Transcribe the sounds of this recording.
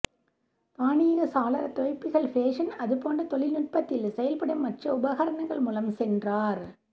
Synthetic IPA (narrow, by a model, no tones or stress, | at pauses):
t̪aːniɐɣɐsaːlɐɾɐt̪ɔɐpːɪɣɐɭfeːʂɐnɐðɯpoːndrɐt̪ɔɭɪlnɪʈ̚pɐt̪ːɪlsɛjɐlpɐɽɐmːɐʈrɐʊbɐɣɐɾɐɳɐŋɡɐɭmuːlɐmsɛndraːɾ